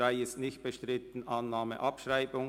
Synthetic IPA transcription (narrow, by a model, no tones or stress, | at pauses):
aɪəsnɪçt̚b̥əʃtʁɪt̪n̩ʔɑnːaːmə̰ʔɑpʃʁaɪbʊŋ